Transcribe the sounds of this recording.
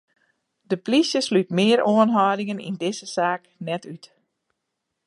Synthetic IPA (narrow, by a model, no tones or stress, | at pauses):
d̥əplisjəslytmɪəɾoənɦɔːdɪŋənḭndɪzəsaːknɛtyt